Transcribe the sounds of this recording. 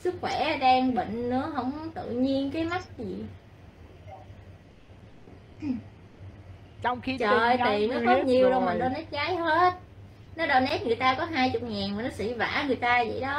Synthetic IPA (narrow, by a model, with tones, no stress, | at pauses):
sɨ˦˥k̚xwɛ˧˩ɗaː˧ŋɓə̰˧˨ŋ̟nɨ̰˧˥əɦə̰˧˥wŋ͡mt̪ɨ̰˧˨ɲi˧ənkaː˨˦jma˦˥t̚zi˨˩ | t͡ɕwŋ͡mxi˧t͡ɕəː˨˩j̪i˨˩nɔ˨˦kɔ˨˦ɲi˨˩əwɗo˧maː˨˩ɗo˧nɛ˦˥t̚ɣaː˨˦jɦe˦˥t̚ | nɔ˨˦ɗɔ˧˩ne˦˥t̚ŋɨ˨˩əjt̪aː˧kɔ˨˦ɦaː˧jt͡ɕʊ˨˩k͡p̚ŋaː˨˩nmː˨˩nɔ˨˦sḭ˧˥va̰ː˧˥ŋɨ˨˩əjt̪aː˧zə̰˧˨jɗɔ˨˦